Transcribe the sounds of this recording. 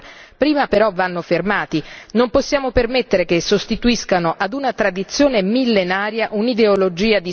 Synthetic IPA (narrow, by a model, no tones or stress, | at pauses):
pɾiːmapeɾɔvːanːofermaːt̪inomposːjaːmopermet̪ːeɾekesːost̪it̪uiskanoʔad̪unat̪ɾad̪it̪sːjoːnemilːenaːɾjaʔunid̪eolod͡ʒiːad̪i